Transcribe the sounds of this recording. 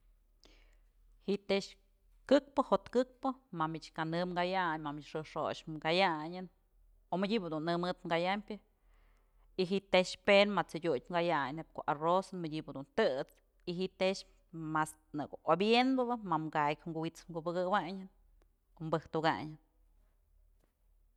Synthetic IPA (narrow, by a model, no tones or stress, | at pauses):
hiʔt̪eʃ | kɨk̚pɨhot̪kɨk̚pɨmamit͡ʃkanɨmŋɡajaɲmamit͡ʃʂɨʂoʃŋɡajaɲɨn | omɨdʲibɨd̪unːɨmɨt̪mɡajamʲpʲɨ | iɦiʔt̪eʃpenmat͡sɨdʲuj̚ʲmɡajaɲnheb̚koʔarosɨnmədʲibɨd̪unt̪ɨt͡s | iɦiʔt̪eʃ | mas | nɨɡoʔobjenbɨbɨmamɡajkʲŋɡuwit͡smɡubɨɡɨwaɲɨn | kombɨhk̚t̪uɡa̰ɲɨn